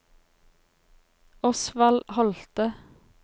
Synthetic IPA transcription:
ɔsʋɑlhɔlt̪ə

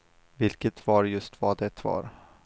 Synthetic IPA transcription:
vɪlkət̪vɑɾjɵst̪ʰvad̪ɛt̪vɑ̰ɾ

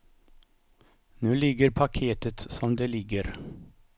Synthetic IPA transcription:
nʉːlɪɡːəɾpʰakʰeːt̪ət̪sɔmd̪elɪɡːəɾ

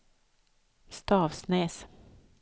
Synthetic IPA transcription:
st̪ɑːvsnɛːs

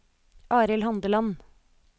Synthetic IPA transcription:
ʔɑːɾɪlhɑnd̪əlɑn

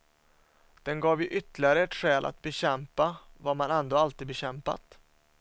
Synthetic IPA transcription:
d̪̥ɛnɡɑːvjɵʔʏt̪ːlɪaɾəɛʈɧɛːlʔa̰t̪̚bɛɕɛmpavamanɛnd̪oːalt̪iːd̪bɛɕɛmpa̰t̪

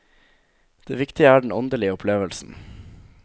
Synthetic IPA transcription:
d̪̥ḛːʋɪkt̪ɪəæːɖɳ̩ɔnd̪əlɪəʊpʰleːʋəlsn̩

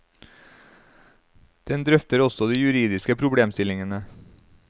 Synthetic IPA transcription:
d̪̥ɛnd̪ɾœft̪əɾɔsɔd̪iːjʉɾiːd̪ɪskəpʰɾʊbɽeːmst̪ɪlɪŋənə

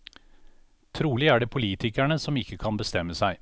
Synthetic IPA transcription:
t̪ʰɾuːlɪæːɖeːpʰʊliːt̪ʰɪkæɳəsɔmɪkːəkʰɑnbəst̪ɛmːəsæɪ

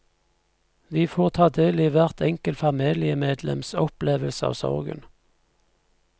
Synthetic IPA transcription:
ʋiːfoːʁt̪ʰɑːd̪eːliːʋæʁt̪ʰɛŋkəlfɑmeːlɪəmeːd̪lɛ̰msɔpleːʋəlsəɑ̰ːʋsɔ̰ʁɡə̰n

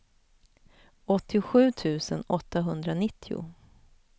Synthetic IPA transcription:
ɔt̪ʰːɪɧʉ̟ːt̪ʰʉ̟ːsənɔt̪ʰːaɦɵnd̪ɾanɪt̪ʰːɪʊ̰

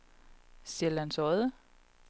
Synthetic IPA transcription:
selænsɔðˠə

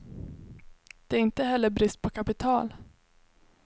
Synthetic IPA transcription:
d̪̥ɛæɾɪnt̪əɦɛlːəbɾɪst̪̚pʰɔkʰapɪt̪ʰɑːl

